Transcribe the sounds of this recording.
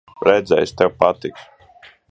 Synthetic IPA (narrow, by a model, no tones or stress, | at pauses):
ɾɛd̪zɛ̰jsʲt̪ɛwpat̪ik